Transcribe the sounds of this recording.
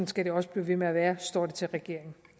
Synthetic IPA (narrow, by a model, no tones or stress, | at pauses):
nsɡ̥æɾ̥e̝ɒ̽səb̥liːʋe̝meæʋæːɐsd̥ɒ̰ːd̥et͡sʰe̝lʁɛɡ̥e̝ɐ̰e̝ŋn̩